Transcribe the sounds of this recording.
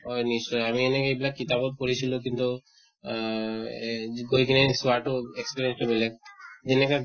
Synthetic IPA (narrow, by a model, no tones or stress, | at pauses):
ɔjnisʈɔjamienekejbilakit̪abɔt̪̚koɾit͡ʃʰilokint̪u | ɡojkinesuaʈoekspiɾiensʈemilek̚d͡ʒeneka